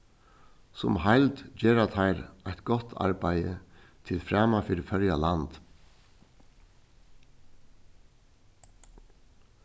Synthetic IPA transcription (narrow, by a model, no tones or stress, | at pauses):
sʊmhæɪld̪d͡ʒeːɾɑt̪ʰæɪɾʔæɪt̪ɡ̥ɔt̪ʰɑ̰ɾbæɪə̰t̪ʰɪlfɾɑːmɑfɪɾfœɾjɑlɑnd̪̥